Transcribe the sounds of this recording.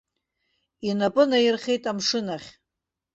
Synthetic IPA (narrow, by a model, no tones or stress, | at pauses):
inapʼɨnajɪrχʲe̞jtʼamʂɨnaχʲ